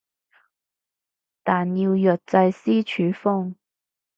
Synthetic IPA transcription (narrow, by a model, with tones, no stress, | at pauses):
t̪aː˨nji˧wjœː˨t̚t͡sɐ˧jsiː˥t͡ʃʰyː˨˧˥fʊ˥ŋ